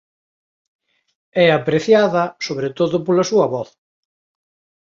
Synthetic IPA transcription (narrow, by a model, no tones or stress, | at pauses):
ɛapɾeθjaðɐsoβɾet̪oðʊpolɐsuɐβɔθ